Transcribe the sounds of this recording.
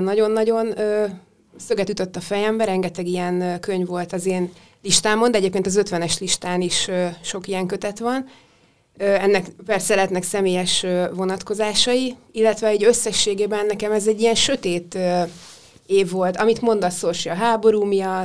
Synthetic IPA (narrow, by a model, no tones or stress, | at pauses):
nnɒɟo̞nːɒɟo̞nøː | søɡɛt̪yt̪ø̞t̪ːɒfɛjɛmbɛɾɛŋɡɛt̪ɛɡijɛnkøɲvo̞lt̪ɒzeːn | liʃt̪aːmo̞nd̪ɛɟeːpkʲeːnt̪ɒzøt̪ʋɛnɛʃliʃt̪aːniʃøʃo̞kijɛŋkøt̪ɛt̪ʋɒn | øːɛnːɛkvɛrsɛlɛt̪nɛksɛmeːjɛʃøvʋo̞nɒt̪ko̞zaːʃɒiilːɛt̪ʋɛɛɟø̞sːɛʃːeːɡeːbɛnːɛkɛmɛzɛɟːijɛnʃøt̪eːt̪ø | eːvːo̞lt̪ɒmit̪mo̞nd̪ɒsorʃiɒɦaːbo̞ɾuːmijɒt̪